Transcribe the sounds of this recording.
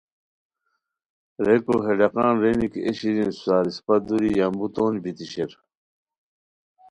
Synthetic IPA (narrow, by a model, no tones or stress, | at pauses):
ɾekoɦeɖɐqɑ̃ːnɾenikeɕiɾinsusaːɾispɐd̪uɾijambut̪oːnbit̪iɕeɾ